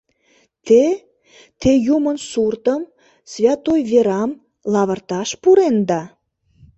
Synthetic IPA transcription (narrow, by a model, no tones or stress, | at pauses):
t̪e | t̪ejumənsurt̪əm | svʲɑt̪ojveɾɑm | lɑβə̆rt̪ɑʃpuɾend̪ɑ